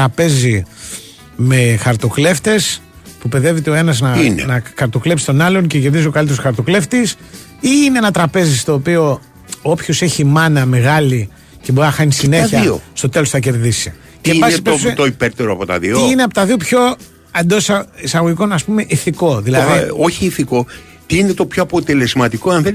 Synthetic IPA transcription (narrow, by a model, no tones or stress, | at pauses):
ɾɐpe̞zi | me̞xɐɾt̪o̞kle̞ft̪e̞s | pupe̞ðe̞vit̪eo̞e̞nɐznɐn̰nɐxɐɾt̪o̞klepsi̥t̪o̞nɐlonce̞ce̞ɾðizio̞kɐlit̪eɾosɐɾt̪okle̞ft̪is | iːneenɐt̪ɾɐpe̞zist̪o̞ːpio̞ | opço̞se̞çimɐnɐme̞ɣɐli | ce̞bo̞ɾinɐxɐnisineçɐiost̪o̞t̪e̞losθɐce̞ɾðisi | ctembɐsipsst̪oipeɾt̪eɾoɐpot̪ɐ̰ðioiineɐpot̪ɐðio̞pço̞ | ɐnd̪o̞ssɐisɐɣoʝiko̞nɐspume̞ʔiθiko̞ðilɐðioçiːθiko̞ | t̪iinet̪o̞pçoɐpot̪e̞le̞zmɐt̪iko̞ɐnθe